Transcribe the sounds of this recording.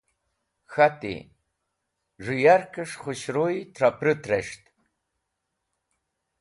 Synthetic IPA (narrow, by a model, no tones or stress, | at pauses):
xatʼḭ | ʐɨjarkʰʼɨʂχʷʊɕɾojtʰrapʰrɨtʰrɐʂtʰʼ